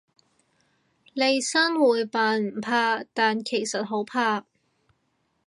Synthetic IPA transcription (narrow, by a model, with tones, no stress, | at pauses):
le˨˧jsaː˥nwuː˨jpaː˨˧nm̩˨˩pʰaː˧t̪aː˨nkʰe˨˩jsɐ˨t̚ɦo˨˥wpʰaː˧